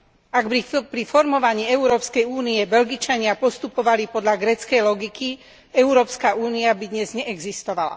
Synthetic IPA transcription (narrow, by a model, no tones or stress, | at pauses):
aɡbipɾifɔɾmɔʋaɲiːɛuɾɔːpskɛjuːniɛbɛʎɡit͡ʃaɲɪapɔst̪upɔʋalipɔd̪ʎaɡɾɛːt͡skɛjlɔɡiki | ɛuɾɔːpskaʔuːniabid̪ɲɛzɲɛʔɛɡzist̪ɔʋala̰